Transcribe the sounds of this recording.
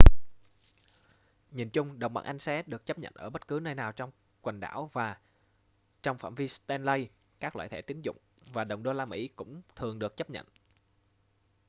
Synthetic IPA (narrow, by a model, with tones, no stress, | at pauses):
ɲḭ˧˨ənt͡ɕʊ˧ŋ͡mɗə˨˩wŋ͡mɓa̰˧˨˩ʔa˧jŋ̟sɛ˨˦ɗɨ˨˩ək̚t͡ɕə˦˥p̚ɲə̰˧˨nʔəː˧˩ɓə˦˥t̚kɨ˨˦nəː˧jnaː˨˩wt͡ɕɔ˧wŋ͡m | kwə˨˩ŋ̟ɗa̰ː˧˩wvaː˨˩ | t͡ɕɔ˧wŋ͡mfaː˧˩mvi˧st̪ɛ˧nlə˧j | kaː˦˥k̚lwa̰ː˧˨t̪ʰe˧˩t̪i˨˦ənzʊ̰˧˨ŋ͡m | vaː˨˩ɗə˨˩wŋ͡mɗo˧laː˧mḭ˧˥kʊ̰˧˥ŋ͡mt̪ʰɨ˨˩əŋɗɨ˨˩ək̚t͡ɕə˦˥p̚ɲə̰˧˨nʔ